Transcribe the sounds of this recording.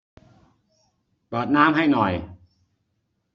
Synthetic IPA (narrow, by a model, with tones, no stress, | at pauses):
pɤː˨˩t̪̚naː˦˥mɦa˥˩jnɔ˨˩j